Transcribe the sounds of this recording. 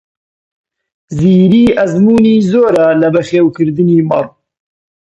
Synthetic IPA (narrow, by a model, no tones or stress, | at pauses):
ziːɾiːʔæzmuːniːzoːɾaːlɐbɛχeːwkʰɨɾd̪ɨniːmɑrˤ